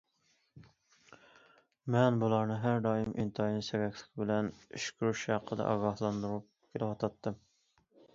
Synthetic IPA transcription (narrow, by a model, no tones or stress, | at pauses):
mɛnbulˠɑɾnɨɦæɾd̪ɑːjimʔint̪ʰɑjinɨsevɛkʲʰlɪ̥kʲbɪlɛnyʃkʲyɾyʃhɑqʰːəd̪ɑ̰ʔɑ̰ɡɑhlˠɑnd̪uɾup̚kʲʰelɪwɑt̪ʰɑt̪ʰːɨm